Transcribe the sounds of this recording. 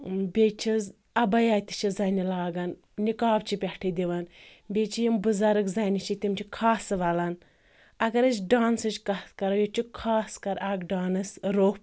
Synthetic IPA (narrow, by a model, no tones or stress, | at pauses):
bʲet͡ʃʰiz | ɐbɐjaːt̪i̥t͡ʃʰizɐnilaːɡɐn | nikaːbt͡ʃʰipʲɐʈʰid̪ʲiʋɐnbʲet͡ʃʰijimbɨzɐɾɐkzɐnit͡ʃʰit̪imt͡ʃʰikʰaːsɨʋɐlɐn | ɐɡɐɾɐt͡ʃɖaːnsɨt͡ʃʲkɐt̪kɐɾɐjot͡ʃʰikʰaːskɐɾaɡɖaːnɨsɾoːp